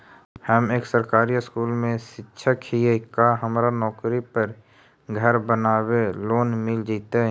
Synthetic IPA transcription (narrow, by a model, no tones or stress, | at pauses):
həmeːksəɾkaːɾiɪskuːlmẽʃɪtːʃʰəkɦiekaɦəmɾanɔːkɾipəɾ | ɡʱəɾbənaːweloːnmɪld͡ʒiːt̪eɦ